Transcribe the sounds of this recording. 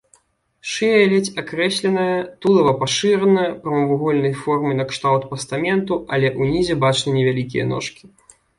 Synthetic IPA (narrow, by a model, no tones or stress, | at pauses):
ʂɨɛlʲɛt͡sʲakɾɛɕʲlʲɛnɐjɐt̪ulˠɐvɐpaʂɨɾɐnɐjɐpɾɐmɐvuɣɔlʲnɐjfɔrmɨnɐkʂt̪awt̪pɐst̪amʲɛnt̪ualʲɛʔunʲizʲɛbat͡ʂnɨnʲɛvʲalʲikʲijɐ̰nɔ̰ʂkʲi̥